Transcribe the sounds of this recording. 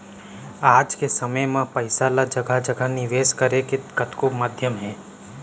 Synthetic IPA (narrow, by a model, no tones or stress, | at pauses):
aːd͡ʒkesɐməjmãpɐɪsalad͡ʒɐɡad͡ʒɐɡənɪʋeːʃkəɾekɪt̪kɐt̪komaːd̪ʱjəmɦɛ̃ː